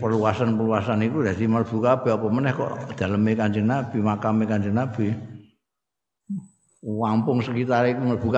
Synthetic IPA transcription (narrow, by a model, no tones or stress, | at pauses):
pərluasanpərluasanikud̪at̪imərb̥ṳkab̥ɛ̤apɔmənɛhkɔ̰ʔd̪̥a̤ləmekaɲd͡ʒənab̥i̤makamekaɲd͡ʒənab̥i | wampʊŋsəkit̪aɾikumərb̥ṳka